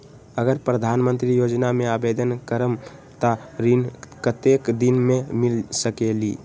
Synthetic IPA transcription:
əɡəɾpɾəd̪ʱanmənt̪ɾijod͡ʒnameabed̪ənkəɾəmt̪aɾinkət̪ekd̪inmemilsəkelḭ

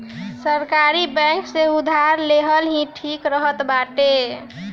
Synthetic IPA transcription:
səɾkaɾibɛ̃ŋkseud̪ʱaɾleɦəlɦĩʈʰikɾəɦət̪baʈe

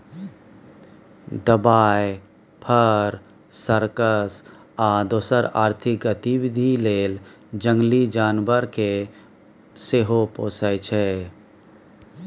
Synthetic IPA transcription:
d̪əbaːj | pʰəɾ | səɾkəs | aːd̪oːsəɾaːɾt̪ʰɪk̚ɡət̪iwɪd̪ʱileːl | d͡ʒə̃ŋɡlid͡ʒaːnbəɾke | seɦopoːsəjt͡ʃʰɛː

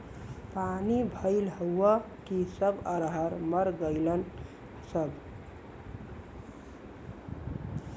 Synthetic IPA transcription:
panibʱəɪlɦəwːə | kisəbəɾɦəɾməɾɡəɪlən | səb

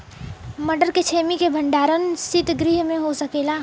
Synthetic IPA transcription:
məɖəɾket͡ʃʰeːmikebʱə̃ɳɖaːɾənsɪt̪ɡɾiɦmẽɦosəkeːlaː

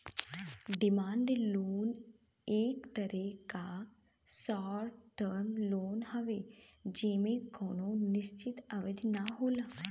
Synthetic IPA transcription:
ɖɪmaːɳɖloːn | eːkt̪əɾeka | saːɾʈəɾmloːnɦɐʋe | d͡ʒeːmẽkɔːnonɪʃt͡ʃɪt̪ɐʋɪd̪naɦoːlaː

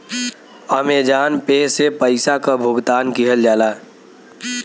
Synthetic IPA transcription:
amed͡ʒaːnpeːsepəɪsakabʱʊɡt̪aːnkiɦəld͡ʒaːlaː

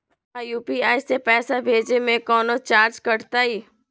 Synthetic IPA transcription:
ajuːpiaːisepɛːsabʱeːd͡ʒemẽkɔːnot͡ʃaːɾd͡ʒkɐɽt̪aiː

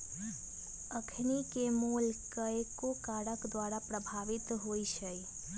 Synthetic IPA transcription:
əkʰnikemulkəekokaːɾəkd̪waɾapɾəbʱaʋɪt̪ɦoiʃəi

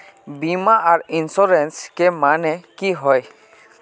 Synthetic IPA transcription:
bimaʔaɾinsɔɾɛnskɛmanɛkiɦɔj

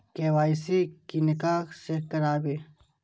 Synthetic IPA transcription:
keːʋaːjsikinɪkaːxsekɐɾaːbeː

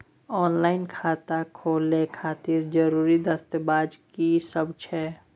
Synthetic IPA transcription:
ɔːnlaːɪnkʰaːt̪akʰoːlekʰaːt̪iːɾd͡ʒəɾuːɾid̪ɐst̪əbaːd͡ʒkisəbt͡ʃʰɛː

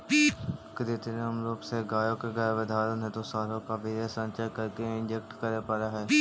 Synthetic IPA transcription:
kd̪eːt̪enẽɦəmloːkseɡaːjõkeɡəːʋəd̪ʱaːɾənɦɛ̃t̪osaːɾõkaʋeːɾesə̃nt͡ʃəkəɾkeɪ̃nd͡ʒek̚ʈkəɾepəɾaɦɛː

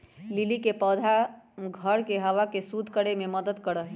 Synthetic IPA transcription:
lilikepəd̪ʱa | ɡʱəɾkeɦəʋakesud̪ʱkəɽememəd̪əd̪kəɾəɦ

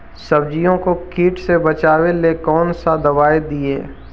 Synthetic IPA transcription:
sɐbd͡ʒijõkokiːʈsebɐt͡ʃaːwelekɔːnsad̪ɐbaːed̪ieː

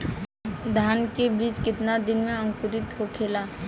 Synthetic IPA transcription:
d̪ʱaːnkebɾiːd͡ʒkɪt̪nad̪ɪnmẽɐ̃ŋkʊɾɪt̪ɦokʰeːlaː

